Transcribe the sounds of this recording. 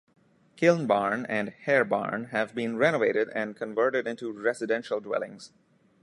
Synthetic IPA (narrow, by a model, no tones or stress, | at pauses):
kʰɪlnbaːɹnæ̃nɖhɛɹba̰ɹnhævbĩnɹɛnoʋeɪɾɪɖɛ̃nkʰə̃nʋɜɹʈɪɖɪ̃nʈuɾɛsɨdɛ̃nʃəlˠdwɛ̰lɪ̰̃ŋz̥